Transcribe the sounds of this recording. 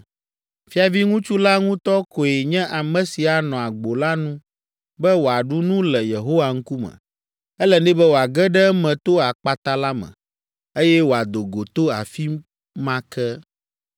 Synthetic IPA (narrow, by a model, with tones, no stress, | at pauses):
fi˦a˨vi˦ŋũ˦t͡ʃu˦la˦ŋũ˦t̪ɔ˦ko˨e˨ɲɛ̃˦ʔa˨mɛ̃˨si˨a˨nɔ̃˨a˨ɡ͡bo˨la˦nũ˦ | bɛ˦wo˨a˨ɖu˦nũ˦lɛ˨je˨ɦo˦wa˨ŋ̩˦ku˦mɛ̰̃˨ | ɛ˦lɛ˨nɛ̃˦bɛ˦wo˨a˨ɡɛ˦ɖɛ˦mɛ̃˨t̪o˦a˨k͡pa˨t̪a˦la˦mɛ̰̃˨ | e˦jɛ˦wo˨a˨d̪o˨ɡo˨t̪o˦a̰˨fi˦ | mã˦kɛ˦